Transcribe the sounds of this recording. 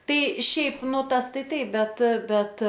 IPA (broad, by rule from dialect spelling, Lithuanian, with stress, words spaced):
ˈtɐɪ ˈʃʲɛɪp ˈnʊ ˈtɐs ˈtɐɪ tɐɪp ˈbʲɛt ˈbʲɛt